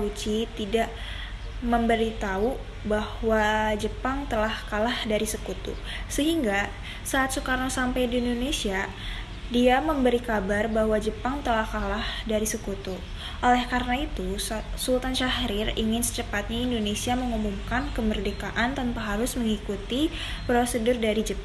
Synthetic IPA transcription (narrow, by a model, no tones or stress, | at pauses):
ut͡ʃit̪idaʔ | məmbəɾit̪au | bahwad͡ʒəpaŋt̪əlahkalahdaɾisəkut̪ṵ | səɦiŋɡa | saːt̪səkaɾaŋsampajdiːndonesia | diaməmbəɾikabarbahwad͡ʒəpaŋt̪əlahkalahdaɾisəkut̪u | ʔolɛhkaɾənait̪usult̪anʃahɾɪriŋɪnsə̥t͡ʃəpat̪̚ɲaindonesiaməŋumuŋkankəmərdekaʔant̪ənpaɦaɾʊsməŋikut̪i | pɾosədʊrdaɾid͡ʒəp